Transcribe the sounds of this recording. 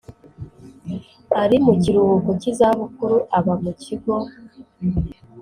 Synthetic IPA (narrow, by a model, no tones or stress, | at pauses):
aɾimuciɾuβukucizaβukuɾuʔaβamucʰiɡo